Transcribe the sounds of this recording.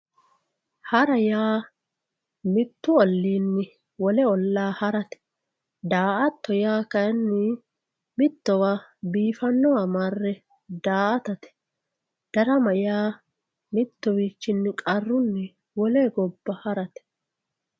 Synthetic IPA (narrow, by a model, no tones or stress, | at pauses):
hɐɾɐjaː | mɪt̪ːʊɔlːiːnːɪ | wɔlɛɔlːaːhɐɾɐt̪ɛ̥ | d̪aːʔɐt̪ːɔjaːkɐnːɪ | mɪt̪ːɔwaːbiːfɐnːɔwaːmaːrːɛ | d̪aːʔɐt̪ɐt̪ɛ̥ | d̪̥ɐɾɐmɐjaː | mɪt̪ːɔwiːt͡ʃːɪnːɪkʼɐrːʊnːɛ | wɔleːɡɔbːɐhɐɾɐt̪ɛ̥